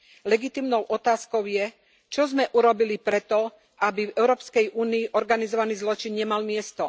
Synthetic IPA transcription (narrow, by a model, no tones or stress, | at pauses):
lɛɡit̪iːmnɔʊʔɔt̪aːskɔʊjɛ | t͡ʃɔzmɛʔuɾɔbilipɾɛt̪ɔ | ʔabivɛʊɾɔːpskɛjʔuːniːʔɔɾɡanizɔʋaniːzlɔt͡ʃinɲɛmalmɪɛst̪ɔ